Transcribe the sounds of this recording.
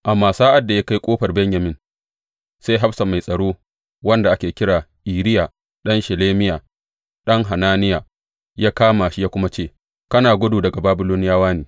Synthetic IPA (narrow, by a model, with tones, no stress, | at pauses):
ʔa˨mːaː˨saː˦ʔa˨dːa˨ja˦ka˦jkʷʼoː˦ɸɐ˨rbɛ˦ɲjɐ˨mɪ˦n | sa˦jɦa˦ɸsa˨ma˨jsʼɐ˨ɽoː˦ | wɐ˦nda˨ʔa˦kʲeː˨kʲɪ˦ɽaː˨ʔiː˨ɾɪ˦jaː˨ | ɗɐ˦nʃɪ˨leː˦mɪ˦jaː˨ | ɗɐ˦ŋɦa˨naː˦nɪ˦ja˨ | jaː˦kaː˦maː˨ʃi˦jaː˦kʷʊ˦ma˦t͡ʃeː˦˨ | kɐ˦naː˨ɡʷʊ˦duː˨dɐ˨ɡa˨baː˦bɪ˦loː˦nɪ˦jaː˦waː˦neː˨